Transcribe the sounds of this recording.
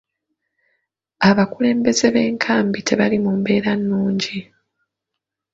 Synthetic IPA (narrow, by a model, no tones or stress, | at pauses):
aβakule̞ːmbe̞ze̞βe̞ːŋkʰaːmbitʰe̞βalimuːmbe̞ːɾanːuːɲɟi